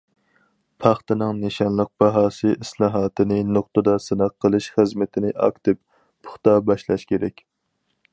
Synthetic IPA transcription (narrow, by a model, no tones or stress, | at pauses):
pʰɑχt̪ɨnɨŋneʃɑnlˠəq̚b̥ɑɦɑːsɨʔislˠɑːɦɑːt̪ʰɨnɨnoq̚t̪ɨd̪ɑsɨnɑqːəlˠɨʃχəzmɪt̪ʰɪnɪʔɑ̰kt̪ʰɪpːʰ | ʊ̥χt̪ɑbɑʃlˠɑʃkʲʰeɾɛkʲ